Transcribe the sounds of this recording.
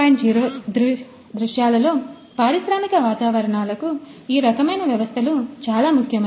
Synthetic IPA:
aːnd͡ʒiːɾoːd̪ɾu | d̪ɾuʂjaːlɐlo̞ː | paːɾiʃɾaːmikɐʋaːt̪aːʋɐɾɐɳaːlɐku | iːɾɐkɐmɐjnɐʋjɐʋɐst̪ʰɐlut͡ʃaːlaːmukʰjɐmɐ

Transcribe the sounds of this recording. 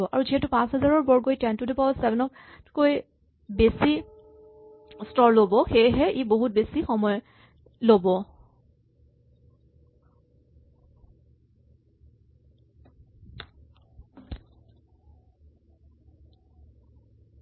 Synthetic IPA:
ɔʔa̰ɹuziɦɛtupãsɦɛzaɹɔɹbɔɹɡojtɛntutipɔzsɛvɛnɔk | koj | besi | stɔɹlobɔxejɦɛʔiboɦut̚besixɔmɔj | lobɔ

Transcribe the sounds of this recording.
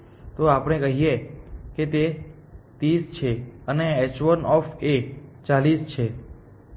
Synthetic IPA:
t̪oapɽ̃ekəɦijeket̪e | t̪ist͡ʃʰeəneet͡ʃʋənɔfet͡ʃalist͡ʃʰe

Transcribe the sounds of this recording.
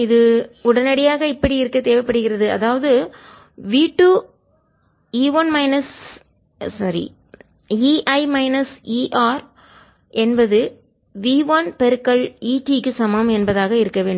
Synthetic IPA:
ɪðɯʊɽɐnɐɽɪjaːɣɐɪpːɐɽiɪɾɯkːɐt̪ːeːʋɐɪpːɐɽɯɣɪrɐðɯɐ̰ðaːʋɐðɯ | ʋiːʈːu | iːʋɐːnmɐɪnɐs | sɐɾḭ | iːʔɐɪmɐɪnɐsiːʔaːɾ | ʔɛnbɐðɯ | ʋiːʋaːnpɛɾɯkːɐɭiːʈiːkːɯsɐmɐmɛnbɐðaːɣɐɪɾɯkːɐʋeːɳɖɯɯm

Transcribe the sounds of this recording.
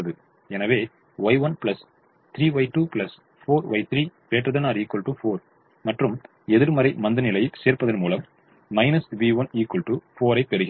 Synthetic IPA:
ɐðɯ | ɛnɐʋeː | ʋɐɪʋɐnpɪlɐs | t̪ʰɪɾiːʋɐɪʈuplɐs | foːɾʋɐɪt̪ʰɪɾiːpeːʈrɐðɐnaːɾiːkːɐlʈufoːɾ | mɐʈrɯm | ɛðɪɾmɐɾɐɪmɐnd̪ɯnɪlɐjɪseːɾpɐðɐnmuːlɐmː | ɐɪnɐsbiːʋɐniːkːɐlʈufoːɾɐɪpːɛɾɯɣɐ

